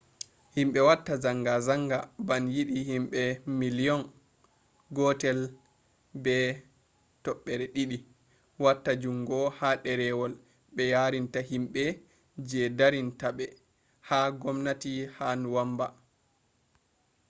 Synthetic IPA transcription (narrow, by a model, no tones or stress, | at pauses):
himɓɛwatːazaŋɡazaŋɡabanjiɗihimɓɛmilijɔn | ɡɔtɛl | bɛ | tɔɓːɛɾɛɗiɗi | watːad͡ʒumɡɔhaɗɛɾɛwɔl | ɓɛjaɾintahimɓɛ | d͡ʒɛdaɾintaɓɛ | haɡɔmnatihanwamba